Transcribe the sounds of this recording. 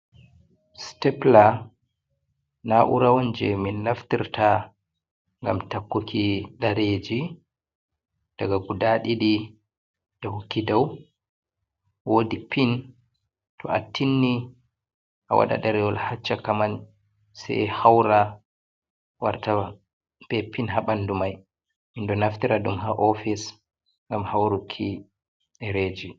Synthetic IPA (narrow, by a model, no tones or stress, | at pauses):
stɛpla | naʔṵɾawond͡ʒɛminːaftiɾtʰa | ŋɡamtakːukiɗaɾed͡ʒi | d̥aɡaɡudaɗiɗi | ɗahukːidaw | woːdipin | tʰɔʔatːinːi | ʔawa̰ɗa̰ɗaɾɛɔlhat͡ʃːakaman | sɛ̰hawɾa | wa̰ɾta | bɛpinɦaɓandumaj | mindɔnaftiɾaɗumɦaʔɔfis | ŋɡamhawɾukʰi | ɗɛɾeːd͡ʒi